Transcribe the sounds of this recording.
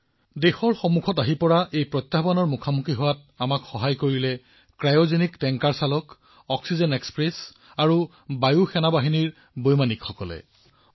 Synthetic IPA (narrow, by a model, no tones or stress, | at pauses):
dexɔɹxɔmukʰɔtaɦipɔɹaʔejpɹɔt̪ːabanɔɹmukʰamukiɦʊwat | amakxɔɦajkoɹilɛ | kɹajozeniktɛŋkaɹsalɔk | ɔksizɛnekspɹɛs | aɹu | bajuxɛnabaɦiniɹ | bojmanikxɔkɔlɛ̰